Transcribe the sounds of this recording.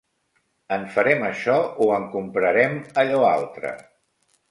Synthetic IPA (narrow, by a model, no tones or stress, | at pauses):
əɱfəɾɛməʃɔuəŋkumpɾəɾɛməʎɔa̰lˠt̪ɾə̰